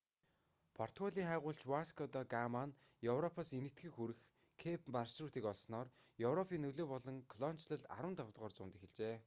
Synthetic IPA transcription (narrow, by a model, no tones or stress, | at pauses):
pʰɔr̥t̪ɔɮʲiːŋχæːʁʊːɬt͡ɕwaskʰɔt̪ɔɡaman | jɵwrɔpʰaːsenɘ̆kt̪ɡɘ̆xuɾɘ̆x | kʰepʰmarsruːt̪iːkɔɮsnɔːrjɵwrɔpʰiːnːɵɮoːpɔɮɞ̆ŋkʰɮɔn̥t͡ɕɮə̆ɮa̰ɾwə̆nt̪awt̪ʁɔːrt͡sʊːnt̪exɘ̆ɮt͡ɕeː